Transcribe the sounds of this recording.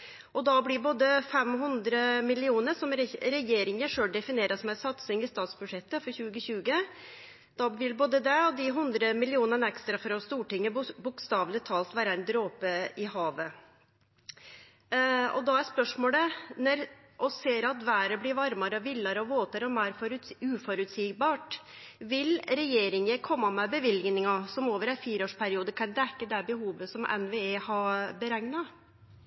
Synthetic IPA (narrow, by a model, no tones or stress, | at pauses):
ʔɔd̪ɑblɪɾboːd̪əfɛmɦʉnd̪ɾəmɪlɪuːnəɾʂɔmɾɛɾɛjeːɾɪŋəʂøːlɖɛfɪneːɾɑsmæɪsɑt̪sɪŋɪst̪ɑːt̪sbʉʂɛt̪ːəfɔɾçʉːɡəɕʉːɡə | d̪̥ɑʋɪlboːd̪əd̪ɛɔd̪ɪɦʉnd̪ɾəmɪlɪuːnənɛkst̪ɾɑfɾɑst̪uːʈɪŋːəbʊkst̪ɑːʋlɪt̪ʰɑːlt̪ʋæːɾɑæɪnd̪ɾoːpəɪhɑːʋə | ɔ̰d̪ɑæɾspœʂmoːlənɔɾ | ʔɔseːɾɑt̪ʋæːɾəblɪɾʋɑɾmɑɾəɔʋɪlːɑɾəɔʋoːt̪əɾɔmæːɾfɔɾʉʉːfɔɾʉt̪siːɡ̚bɑːʈ | ʋɪlɾɛjeːɾɪŋəkʰɔmːɑmɛbəʋɪlɡnɪŋɑsɔmoːʋəɾæɪnfiːɾəoːʂpʰæɾɪuːd̪əkʰɑnd̪ɛkːəd̪ɛbəhuːʋəsɔmʔɛ̰nʋeeːhɑbəɾæŋnɑ